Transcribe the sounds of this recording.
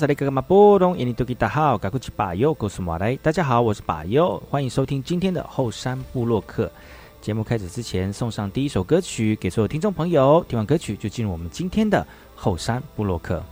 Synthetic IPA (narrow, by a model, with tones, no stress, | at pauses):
sa˨˧ɾe˥˩ka˥˩ka˥ma˨˧˩pɔ˥ɾʊ˧˥ŋʔɛ̰˧˥ni˧˩u˥˧ki˥˧˩t̪a˥˩xɑ˥˩ʊka˨˩kʰwu˥˩t͡ɕʰi̥˧˥pa̰˨˩jo˥˩ʊko˥˩ʊsu˧˩mwa̰˨˩la˧˥ɪt̪a˥˩t͡ɕja˥xɑ˨˩˦ʊwɔ˨˩ʂɻ̩˥˩pa̰˨˩jo˥˩ʊxwa˥ni˧˥ŋʂo˥ʊt̪ʰi˥ŋt͡ɕi˥nt̪ʰjɛ˥nd̪ə̰˨xo˥˩ʊʂa˥npu˥˧lwɔ˥˧kʰɤ̰˥˩ | t͡ɕjɛ˧˥mu˥˧kʰa˥ɪʂ̩˨˩t͡sɹ̩˥t͡ɕʰjɛ˧˥nsʊ˥˧ŋʂɑ˥˧ŋt̪i˥˧i˦˥ʂo˨˩ʊkɤ˥t͡ɕʰy˨˩ke˨˩ɪswɔ˥jt̪ʰi˥ʈ͡ʂʊ˥˩ŋpʰɤ˧˥ŋjo˨˧˦ʊt̪ʰi˧˥ŋwa˥˩ŋkɤ˥t͡ɕʰy˨˩t͡ɕjo˥˧ʊt͡ɕi˥˧nɻu˥˩wɔ˨˩mə˦nt͡ɕi˥nt̪ʰjɛ˥nd̪ə˨ | xo˥˩ʊʂa˥npu˥˧lwɔ˥˧kʰɤ̰˥˩